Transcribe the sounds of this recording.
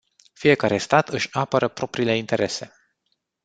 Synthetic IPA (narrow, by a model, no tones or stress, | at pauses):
fije̞kaɾe̞st̪at̪ɨʃʲapəɾəpɾo̞pɾile̞int̪e̞ɾʔe̞se̞